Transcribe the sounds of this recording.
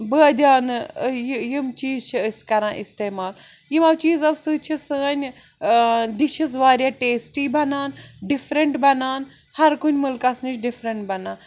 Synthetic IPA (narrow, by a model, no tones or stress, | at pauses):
bəːd̪ʲaːnɨjjimt͡ʃiːzt͡ʃʰiəsʲkɐɾãːʔist̪eːmaːl | jimɐwt͡ʃiːzɐʋsɨt͡ʃʰisɨnʲ | d̪iʃiz̬ʋaːɾʲaːʈeːsʈiːbɐnaːnɖifɾɐɳʈbɐnaːn | hɐɾkunʲmulkɐsnɨt͡ʃʰɖifɾɐɳʈbɐnaːn